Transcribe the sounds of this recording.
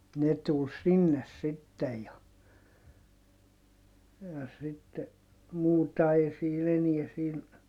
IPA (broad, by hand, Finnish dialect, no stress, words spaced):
ne tul sinːes sitːej jɑ jɑ sitːe muːtɑ ei siːn eniɛ siːn